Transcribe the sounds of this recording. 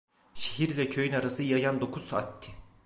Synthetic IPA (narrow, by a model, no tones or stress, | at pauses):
ʃeɦiɾlʲɛcʰøjynaɾasɯjajand̪o̞kʰuzsaa̰t̪ʰːi̥